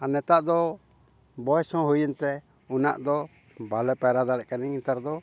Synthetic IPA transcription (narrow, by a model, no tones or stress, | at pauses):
anɛt̪aʔd̪ɔ | bɔɛsɔ̃ɦujint̪ɛ | una̰ʔd̪ɔ | balɛpɛɾad̪alɛʔkaniint̪aɾd̪ɔ